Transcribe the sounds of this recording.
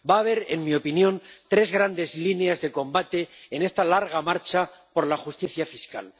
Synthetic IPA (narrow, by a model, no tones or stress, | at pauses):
baːβe̞ɾenmio̞pinjõ̞nt̪ɾe̞zɣɾand̪e̞zlineazðe̞ko̞mbat̪e̞ːne̞st̪alaɾɣ̞amaɾt͡ʃapo̞ɾlaχust̪iθjafiska̰l